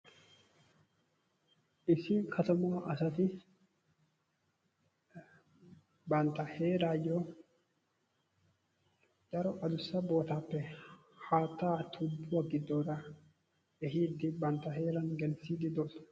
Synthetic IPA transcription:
ʔɪsɪkʰɐt̪ɐmaːʔɐsɐt̪ɪ | bɐnt̪ɐheːɾaːjo | d͡ʒɐɾɔʔɐd̪ʊsːɐbo̞ːt̪aːpːɛ | haːt̪ːaːt̪ʰʊbːwɐɡɪd̪ːoːɾɐ | ɛɦiːd̪ːɪbɐnt̪ːɐɦe̞ːɾɐnɡɛnsiːd̪ɪd̪o̥

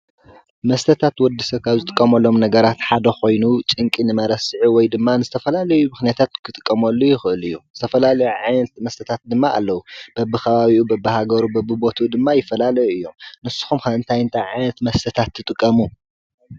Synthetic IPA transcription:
mɐst̪ʰɐt̪ʰat̪wɔd̪ːisɐkʰazɨt̪ʼɨkʼːɐmɐlːo̞mnɐɡɐɾat̪ħad̪ɐxo̞jnut͡ʃʼɨŋkʼinɨmɐɾɐsɨʕiwɔjd̪ɨmːanɨzɨt̪ʰɐfɐlalɐjumɨxnijat̪ʰat̪̚kʰɨt̪ʼɨkʼːɐmɐlːujɪxɨɨlɨjːuz̥ɨt̪ʰɐfɐlalɐjuʕajnɐt̪mɐst̪ʰɐt̪ʰat̪̚d̪ɨmːaʔa̰lːɐwub̥ɐbːɨxʰɐβaβiʔubɐbːɨhaɡɐɾubɐbːɨbo̞t̪ʰud̪ɨmːajɪfːɐlalɐjuɨjːo̞mnɨsːu̥xumkaɨnt̪ʰajɨnt̪ʰajʕajnɐt̪mɐst̪ʰɐt̪ʰat̪ʰːɨt̪ʼɨkʼːɐmu

